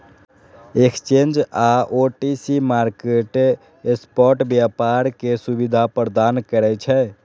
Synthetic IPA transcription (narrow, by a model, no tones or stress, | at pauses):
ekst͡ʃend͡ʒaʔoʈisimaɾkeʈ | espɔɾʈbjapaɾkesubid̪ʱapɾəd̪ankəɾɛt͡ʃʰɛ